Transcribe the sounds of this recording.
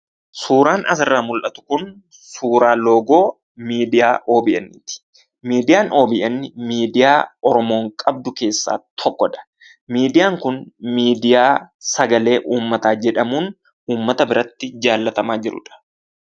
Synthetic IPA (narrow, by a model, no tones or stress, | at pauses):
suːɾaːnʔɐ̰sɪrːaːmʊlʔɐt̪ʊ̥kʊn | suːɾaːlo̞ːɡo̞ː | miːd̪ɪjaːʔo̞ːbɪʔɐnːɪ̰t̪ɪ̥ | miːd̪ɪjaːno̞ːbɪʔɐnːɪmiːd̪ɪjaːɔɾɔmo̞ːŋkʼɐb̚d̪ʊke̞ːsːa̰ːt̪ʰɔkːɔᶑɐ̥ | miːd̪ɪjaːŋkʊnmiːd̪ɪjaːsɐɡɐle̞ːʔuːmːɐt̪aːd͡ʒɛᶑɐmuːn | uːmːɐt̪ɐbɪɾɐt̪ːɪd͡ʒaːlːɐt̪ɐmaːd͡ʒɪɾʊ̰ᶑɐ̥